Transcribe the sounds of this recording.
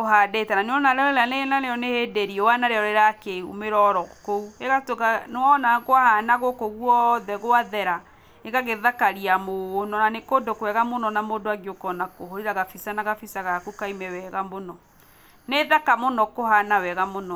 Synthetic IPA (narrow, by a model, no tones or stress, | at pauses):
oɦadetananeɔnaɾɔɾɛɾanenaɾeɔnehedeɾiɔwanaɾeɔɾeɾakeumeɾɔɾɔkoueɣatoɣanwɔnaɣwahanaɣokoɣwɔðɛɣoaðɛɾa | eɣaɣeðakaɾiamonɔnanekodokwɛɣamonɔnamodoaɡeokɔnakoɦoɾiɾaɣafisanaɣafisaɣakukaimɛwɛɣamonɔ | neðakamonɔkoɦanawɛɣamonɔ